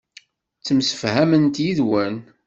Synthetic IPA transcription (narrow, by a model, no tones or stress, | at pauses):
t͡sːəmsə̥fhæmənt̪jiðwæn